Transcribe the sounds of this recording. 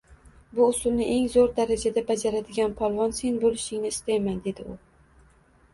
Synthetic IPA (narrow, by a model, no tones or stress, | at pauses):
bʊʊsʊlˠnɪʔe̞ŋzoɾd̪aɾad͡ʒad̪abad͡ʒaɾad̪ɪɡʲanpʰɒlˠvɒnse̞nbolɪʃɪŋnɪɪst̪ajmand̪e̞d̪ɪʊ